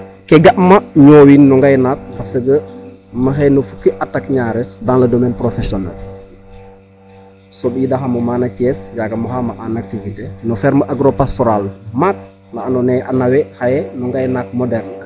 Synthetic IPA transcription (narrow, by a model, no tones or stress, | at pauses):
kɛɡaʔmɐɲoːwinːɔŋɡajnak̚hasəɡə | məɦɛnufukiʔatːakɲaːɾɛsdaŋlɐdomɛːnpɾofɛsiɔna̰l | sɔbiːdaɦamɐmaːnacɛsjaɡɐmɐxamaʔanak̚tivitenufɛɾməʔaɡɾopastɔɾalmak̚ | naanɔnɛʔa̰nawɛhajɛnɔŋɡajnak̚mɔdɛrn